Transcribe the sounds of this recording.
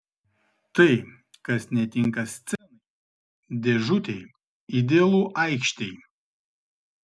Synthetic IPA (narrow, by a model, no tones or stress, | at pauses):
t̪ɐɪ | kɐsnʲɛt̪ʲɪŋˑkɐsʲt̪sʲɛnɐ | d̪ʲɛʒʊt̪ʲɛɪ | id̪ʲeːlˠuːʔɐɪkʃʲt̪ʲɛɪ